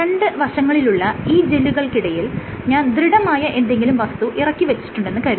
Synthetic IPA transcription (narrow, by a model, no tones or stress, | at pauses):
ɾeɳɖɨʋɐrɕɐŋːɐɭiluɭːɐiːd͡ʑe̞luɣɐɭkiɽɐjil | ɲaːnd̪ɾiɽɐmaːjɐʔe̞nd̪e̞ŋɡilumʋɐst̪uʔirɐkːiʋet͡ɕːi̥ʈːuɳɖe̞nːɨkɐɾiu